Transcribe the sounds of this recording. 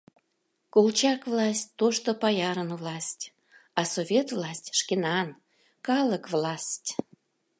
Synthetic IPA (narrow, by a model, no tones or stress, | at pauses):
kolt͡ɕɑkvlɑsʲt̚ʲt̪ːoʃt̪opɑjɑɾənvlɑsʲtʲ | ɑsovʲet̪vlɑsʲtʲʃkenɑn | kɑlˠəkvlɑsʲtʲ